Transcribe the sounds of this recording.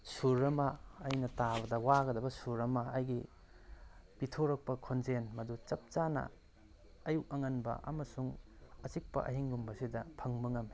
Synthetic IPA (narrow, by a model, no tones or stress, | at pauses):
suɾɐmɐːjnɐtabɐdɐwaɡɐdɐbɐsuɾɐmaːjɡi | pitʰoɾɐk̚pɐkʰonzenmɐdut͡ʃɐp̚t͡ʃanɐ̰ | ɐjuʔɐŋɐnbɐ̰ʔɐ̰mɐsuŋɐt͡ʃik̚pɐ̰ʔɐ̰ɦiŋɡumbɐsidɐpʰɐŋbɐŋɐm